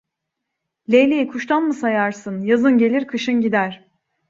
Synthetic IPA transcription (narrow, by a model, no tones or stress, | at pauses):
lʲejlʲejikʰuʃt̪ʰanmɯsajaɾsɯnjazɯnɟe̞lʲiɾkʰɯʃɯnɟid̪æɾ̥